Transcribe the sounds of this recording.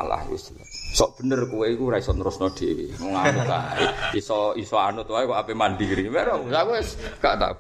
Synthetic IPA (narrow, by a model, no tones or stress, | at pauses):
a̰la̰hwḭslsɔʔb̥ə̤nərkuweikuɾaisɔnəɾʊsnɔd̪̥ekḭmɔŋanʊa̰iisɔisɔanʊt̪waikɔapemand̪ikɾimɛɾɔsakueskaʔt̪a̰